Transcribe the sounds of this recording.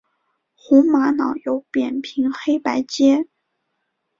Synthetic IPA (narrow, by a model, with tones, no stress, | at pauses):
xu˧˥ŋma˧˥nɑ˨˩˥ʊjo˧˥ʊpjɛ˨˩npʰi˧˥ŋxe˥ɪpa˧˥ɪt͡ɕjɛ˥